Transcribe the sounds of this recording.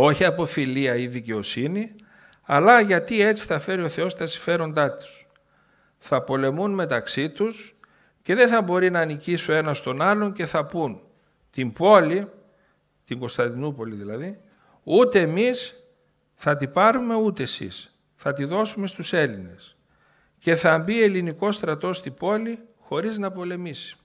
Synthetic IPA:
o̞çiɐpo̞filiɐiðice̞o̞sini | ɐlɐʝɐt̪ie̞t͡si̥θɐfe̞ɾio̞θe̞o̞st̪ɐsi̥ɱfe̞ɾo̞nd̪ɐt̪u̥s | θɐpo̞le̞munme̞t̪ɐksit̪us | ce̞ðe̞nθɐbo̞ɾinɐːnicisoe̞nɐst̪o̞nɐlo̞ɲce̞θɐpun | t̪impo̞li | t̪iŋɡo̞st̪ɐnd̪inupo̞liðilɐði | ut̪e̞ːmis | θɐt̪ipɐɾume̞ut̪esḭs | θɐt̪iðo̞sume̞st̪use̞line̞̰s | ce̞θɐmbie̞liniko̞st̪ɾɐt̪o̞st̪ibo̞lixo̞ɾiznɐpo̞le̞misi̥

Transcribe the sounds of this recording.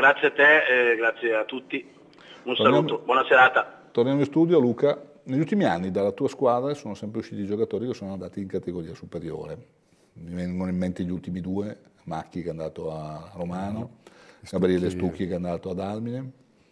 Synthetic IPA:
ɡɾat̪sːjeat̪ːeɡɾat̪sːjeat̪ːut̪ːi | unsoranamt̪obwɔnaseɾaːt̪at̪ornjamoĩst̪uːd̪joluːka | neʎːult̪imianːid̪alːat̪uːaskwaːd̪ɾasoːnosɛmpɾeuʃːiːt̪id͡ʒokat̪oːɾikesːoːnoand̪aːt̪iːŋkat̪eɡoɾiːasupeɾjo̰ːɾe | mivɛŋɡonoimːent̪eʎːult̪imid̪uːemakːikeand̪aːt̪oaromaːnoɡabeɾɛlest̪ukːikeand̪aːt̪oad̪almine

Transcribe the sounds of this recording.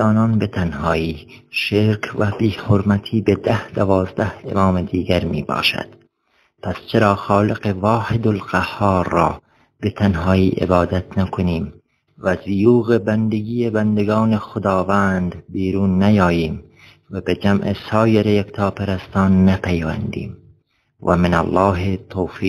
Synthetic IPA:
ɒːnɒːnbet̪ʰænhɒːiː | ʃeɾkʰvæbiːhoɾmæt̪ʰiːbed̪æhd̪ævɒːzd̪æhḛmɑːmed̪iːɡæɾmḭːbɒ̰ːʃæ̰d̪̥ | pʰæst͡ʃʰeɾɑːxɑːleqevɒːhed̪olqæhːɑːɾːɒː | bet̪ʰænhɒːiːʔḛbɒːd̪æt̪ʰnækʰoniːm | væzijuːɣebænd̪eɡiːjebænd̪eɡɑːnexod̪ɑːvænd̪biːɾuːnːæjɒːjiːm | væbed͡ʒæmʔesɑːjeɾejekt̪ʰɑːpeɾæst̪ɑːnːæpʰæjvæ̰nd̪ḭːm | væ̰menæ̰lːɑːɦet̪ʰːoːfiː

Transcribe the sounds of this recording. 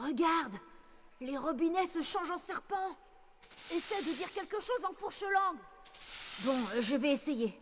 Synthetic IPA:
ʁəɡaʁd̪ | leʁɔbinɛsəʃɑ̃ʒɑ̃sɛʁpɑ̃ | esɛd̪əd̪iʁkʲɛlkəʃozɑ̃fuʁʃəlɑ̃ɡ | bɔ̃ʒəvɛeseje

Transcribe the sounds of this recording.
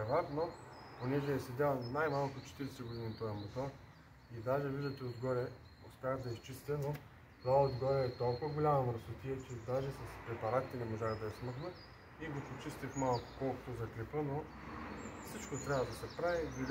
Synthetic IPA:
ɛvat̪noponɛʒɛːsɛd̪ʲanajmalˠkot̪ot͡ʃɛ̥t̪iɾɛsɛɡʊd̪init̪ɔɛmot̪ɔ | id̪aʒɛviʒɐt̪ɛod̪ɡɔɾɛ | ʊ̰spʲaxd̪ɐist͡ʃist̪ʲɛno | t̪aɛod̪ɡɔɾɛːt̪olˠkʊvɐɡolʲamɐmɾsʊt̪ʲiɛt͡ʃɛd̪aʒɛsɐspɾɛpɐɾat̪ʲinɛmoʒaxd̪ɐɛsməxnət̪ | iɡopot͡ʃist̪ʲifmalˠkʊ̥kɔlˠko̥t̪ozɐklʲɛpəno | fsit͡ʃkot̪ɾʲabvɐd̪ɐsɛpɾavid̪i

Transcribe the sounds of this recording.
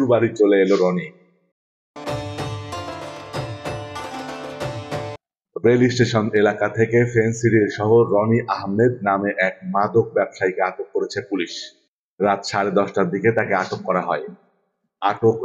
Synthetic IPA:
ɾbaɾit͡ɕoleeloɾɔni | belisʈeʃonelakat̪ʰekefensiɾiɾʃɔɦoɾɔniʔaɦmed̪̚nameʔɛk̚mad̪ok̚bɛbʃajkeaʈokːoɾet͡ɕʰepuliʃ | ɾat̪ʃaɾed̪ɔʃʈaɾd̪iket̪akeaʈokːɔɾaɦɔe | aʈok

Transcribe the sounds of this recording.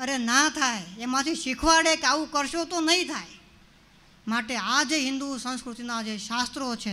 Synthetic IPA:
əɾenat̪ʰajemãt̪ʰiʃikʰʋaɭekaʋũkəɾʃot̪onəɦĩt̪ʰaj | maʈead͡ʒeɦɪ̃nd̪usə̃skɾut̪inad͡ʒeʃast̪ɾot͡ʃʰe

